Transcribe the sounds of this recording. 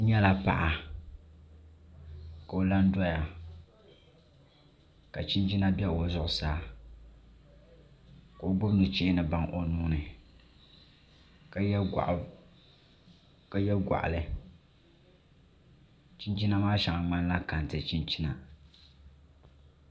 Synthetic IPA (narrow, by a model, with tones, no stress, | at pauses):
ɲɛ˦la˨pa̰˨ʔa˨ | ka˨o˦la˦n˦da˦ja˨ | ka˨t͡ʃi˦nd͡ʒi˦na˦bɛ˦˨o˨zʊ˦ʔʊ˨saː˦ | ka˨o˦ɡ͡bʊ˦bnɨ˨t͡ʃe˦nɨ˨ba˨ŋʔo˨nu˦nɨ˨ | kʔ | ka˦jɛ˦ɡʷa̰˨ʔlɨ˦ | t͡ʃi˦nd͡ʒi˦na˦maː˦ʃa˨ŋa˨ŋ͡ma˦n˦la˦ka˨n˨tɨ˨t͡ʃi˦nt͡ʃi˦na˨